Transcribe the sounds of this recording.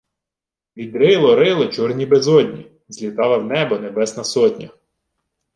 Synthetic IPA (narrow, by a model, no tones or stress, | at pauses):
ʋʲid̪ɾɪlˠɔɾɪlˠɪt͡ʃɔrnʲibezɔdʲnʲḭ | zʲlʲit̪ɑlˠɐwnɛbɔnebɛsnɐsɔtʲnʲɐ